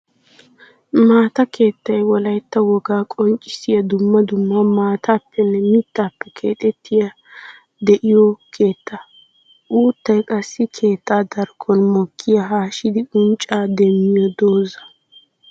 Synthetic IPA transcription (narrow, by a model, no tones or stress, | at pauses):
maːt̪ɐkʰe̞ːt̪ːɐjwɔlɐjt̪ːɐwɔɡaːkʼɔnt͡ʃʼɪ̥sɪjɐd̪ʊmːɐd̪ʊmːamaːt̪ʰaːpːɛnːɛmɪt̪ːaːpːɛkʰe̞̰ːt̪ʼɛt̪ːɪja | d̪ɛʔɪjɔkʰe̞ːt̪ːa | ʔuːt̪ːɐjkʼɐsːɪkʰe̞ːt̪ːaːd̪ɐɾkʰːɔnmɔkʰːɪjɐɦaːʃɪd̪ɪʊnt͡ʃʼaːd̪ɛmːɪjɔd̪oːzɐ̥